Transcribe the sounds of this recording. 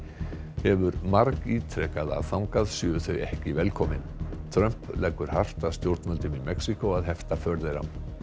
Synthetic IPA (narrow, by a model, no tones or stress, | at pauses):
hɛvʏɾmaɾkiːt̪ʰɾɛkaða̰ðθawŋkaðsjʏʏθœɥɛhcɪvɛlkʰɔmɪnt̪ʰɾœm̥plajkʏɾ̥har̥t̪aðst̪jowɾt̪nmœlt̪ʏmimɛksikowaðɦɛft̪afœɾðejɾa̰m